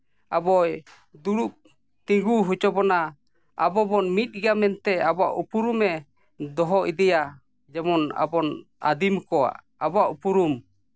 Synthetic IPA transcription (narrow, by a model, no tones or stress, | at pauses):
abɔj | d̪uɽuʔ̚ | t̪iŋɡuɦut͡ʃɔbɔna | abɔbɔnmit̪̚ˀɡamɛnt̪ɛabɔaʔupuɾumɛ | d̪ɔɦɔʔid̪ɛja | d͡ʒɛmɔna̰bɔn | a̰d̪imkɔa̰ʔ | abɔaʔupuɾum